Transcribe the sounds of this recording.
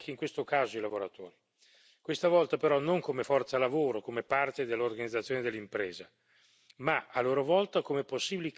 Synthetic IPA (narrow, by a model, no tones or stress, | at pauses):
kːeiŋkwest̪okaːzoilavoɾat̪o̰ːɾi | kwest̪avɔlt̪apeɾɔnoŋkomefɔrt̪salavoːɾokomepart̪ed̪elːorɡanid̪zːat̪sjoned̪elːimpɾeːza | maalːoːɾovɔlt̪akomeposːiːbilik